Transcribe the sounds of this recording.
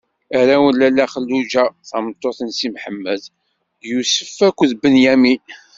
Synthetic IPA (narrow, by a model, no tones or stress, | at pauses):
æɾæwənlælːæχəlːud͡ʒæθɑmət̪ˤːoθənsimħəmːəd | jusə̥fːækʷːðbənjæmi